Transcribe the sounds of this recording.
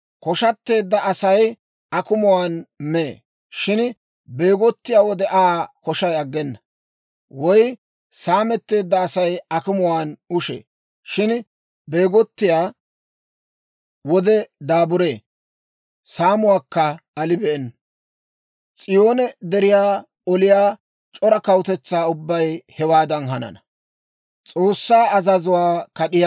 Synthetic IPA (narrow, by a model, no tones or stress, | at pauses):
kɔʃɐt̪ːe̞ːd̪ːɐɐsɐj | ɐkʊmʊwaːnmeː | ʃɪn | be̞ːɡɔt̪ːɪjaːwɔd̪ɛʔaːkɔʃɐjɐɡːɛnːɐ | wɔj | saːmɛt̪ːe̞ːd̪ːɐːsɐjɐkʊmʊwaːnʊʃḛː | ʃɪn | be̞ːɡɔt̪ːɪjaː | wɔd̪ɛd̪aːbʊɾe̞ː | saːmʊwaːkːɐɐlɪbɛʔɛnːɐ | t͡sʼɪjo̞ːnɛd̪ɛɾɪjaː | ɔlɪjaː | t͡ʃʼɔɾɐkɐwt̪ɛt͡sːaːʊbːɐjhɛwaːd̪ɐnɦɐnɐ̰nɐ | t͡sʼo̞ːsːaːɐzɐzʊwaːkɐɗɪja